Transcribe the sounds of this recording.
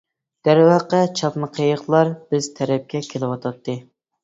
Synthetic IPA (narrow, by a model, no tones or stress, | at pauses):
d̪̥æɾwɑqət͡ʃʰɑpnɨqʰejəχlˠɑɾb̥ɪz̥t̪ʰɛɾɛp̚kʲɛkʲʰelɪwɑt̪ʰɑt̪ʰːɨ